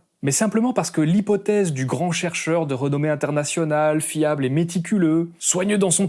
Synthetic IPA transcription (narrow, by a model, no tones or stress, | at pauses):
mɛsɛ̃pləmɑ̃paʁsə̥kəlipɔt̪ɛzd̪yɡʁɑ̃ʃɛʁʃœʁd̪əʁənɔmeɛ̃t̪ɛʁnasjɔnalfjablɛmet̪ikʲʰyløswaɲød̪ɑ̃sɔ̃